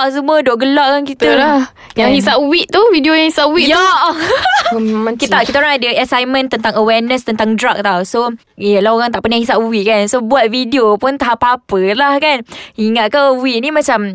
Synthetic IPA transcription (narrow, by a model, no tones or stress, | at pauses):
s̬əmũədoʔɡəlaʔkankit̪əla | jãhisaʔwiʔt̪uvidiojãŋhisaʔwiʔja | kit̪akit̪aoɾaŋadəasajmə̃nt̪ənt̪aŋəwɛrnəst̪ənt̪aŋdɾak̚t̪awso | jəlahoɾaŋt̪aʔpənahis̬aʔwiʔ̚kansobuat̪̚vidiopunt̪aɦapapəlahkaniŋat̪̚kawiʔnĩmat͡ʃam